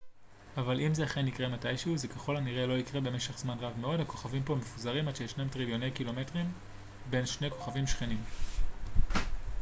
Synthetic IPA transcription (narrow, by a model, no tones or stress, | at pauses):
avalimzeaχenikʁe̞matajʃeuzekaχo̞laniʁe̞lo̞ikʁebe̞me̞ʃe̞χz̥manʁavme̞o̞dhako̞̥χavimpo̞me̞fuzaʁimadʃejeʃnamtʁiljo̞ne̞jkilo̞me̞tʁim | be̞nʃne̞ko̞̥χavimʃχe̞nim